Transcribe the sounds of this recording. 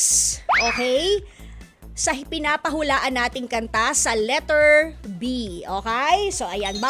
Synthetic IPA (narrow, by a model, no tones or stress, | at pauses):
ʔoːkɛj | sɐpɪnaːpɐɦulaːʔɐnːaːt̪ɪŋkɐnt̪asɐlɛt̪ɛɹbiʔoːkɛjsoːʔɐjɐnbɐ